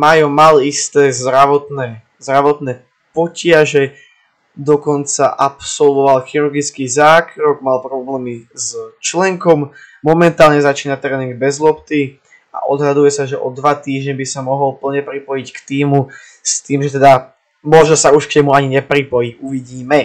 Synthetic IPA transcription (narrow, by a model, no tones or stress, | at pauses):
majɔmalist̪ɛːzɾaʋɔt̪nɛː | zɾaʋɔt̪nɛː | pɔcɪaʒɛ | d̪ɔkɔnt͡saʔapsɔlʋɔʋalxiɾuɾɡit͡skizaːkɾɔɡmalpɾɔblɛːmizt͡ʃlɛŋkɔmːɔmɛnt̪aːlɲɛzat͡ʃiːnat̪ɾɛːniŋɡ̚bɛzlɔpt̪i | a̰ʔɔ̰d̪ɦad̪ujɛsaʒɛʔɔd̪ʋat̪iːʒɲɛbisamɔɦɔlpl̩ɲɛpɾipɔjickt̪iːmu | st̪iːmʒɛt̪ɛd̪a | mɔʒnɔsauʃkɲɛmuaɲiɲɛpɾipɔjiuʋiɟiːmɛ